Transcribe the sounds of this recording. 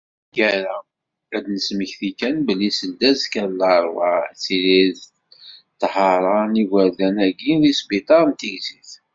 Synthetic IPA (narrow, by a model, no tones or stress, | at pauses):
jæɾæ | æd̪nəsməçθikænbəlːisəld̪æzkæɾləɾˤwɑt͡siɾið | t̪ːhɑɾˤɑniɡəɾðænæɡiðisbit̪ˤɑɾnt̪iʝziθ